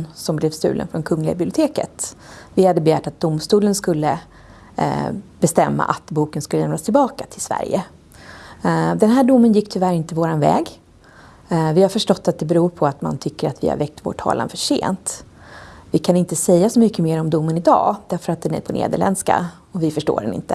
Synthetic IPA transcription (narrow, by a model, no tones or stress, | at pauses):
sɔmblɛvst̪ʉ̟̰ːlʔə̰nfɾɔnkʰɵŋːlɪɡa̰bɪblɪʊt̪ʰeːkə̰t̪vɪhad̪ːəbɛjæːʈat̪̚d̪ʊmst̪uːlənskɵlːə | bɛst̪ɛmːa̰ʔa̰t̪buːkənskɵləjɛmlast̪ʰɪlbɑːkat̪ʰɪlsvæ̰ɾjə̰ | d̪ɛnɦæːɖʊmːənjɪkːt̪ʰɵvæɾɪnt̪əvoːɾanvɛ̰ːɡ | vɪhaɾfœʂʈɔt̪ːat̪̚d̪ɛbɛɾuːɾpʰɔat̪ma̰nt̪ʰʏkːəɾa̰t̪vɪ̰ha̰ɾvɛk̚t̪vo̰ːʈʰːɑ̰ːlʔa̰nfœʂḛːnt̪ | vɪkʰanɪnt̪əsɛjːasɔmʏkːəmeːɾɔmd̪ʊmːənɪd̪ɑ̰ːd̪æɾfœɾat̪̚d̪ɛnæ̰ɾpʰɔnʔḛːd̪əɭɛnska̰ | ɔvɪfœʂʈo̰ːɖɛ̰nɪ̰nt̪ə